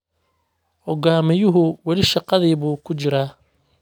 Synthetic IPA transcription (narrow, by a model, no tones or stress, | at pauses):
ʔɔɡaːmɪjʊɦʊwɛlɪʃɑqɑðiːβuːkʰʊt͡ʃɪɾaː